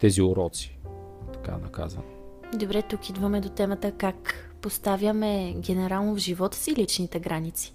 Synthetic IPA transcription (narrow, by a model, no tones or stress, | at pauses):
t̪ɛziʊɾɔt̪si̥ | t̪ɐ̥ka̰nɐka̰zvə̰n | d̪obɾɛt̪ukid̪vəmɛd̪ot̪ɛmət̪əkak | post̪avʲjəmɛɡɛnɛɾalˠnovʒivɔt̪ə̥silit͡ʃnit̪ɛɡɾanit̪si̥